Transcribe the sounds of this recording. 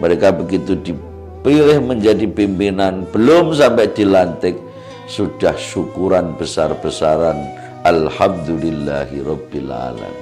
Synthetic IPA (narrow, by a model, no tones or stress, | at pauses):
məɾekabəɡit̪udi | pilɪhməɲd͡ʒadipimpinanb̥əlʊms̬ampɛʔdilant̪ɪk̚ | sud̥ahʃukuɾanbəsarb̥əsaɾan | ʔalhamd̪ulɪlːa̰ɦirɔbila̰la̰mi